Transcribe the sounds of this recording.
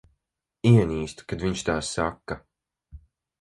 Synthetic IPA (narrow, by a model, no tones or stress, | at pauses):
iɛɲʲiːst̪u̥kad̪viɲt͡ʃt̪aːsːakːa